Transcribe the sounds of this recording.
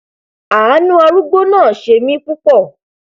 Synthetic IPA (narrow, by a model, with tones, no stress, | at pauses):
a˨a˨˦nũ˦a˧ɾu˦ɡ͡bo˦nãː˦˨ʃe˧˨mĩ˨˦k͡pu˦k͡pɔ˦˨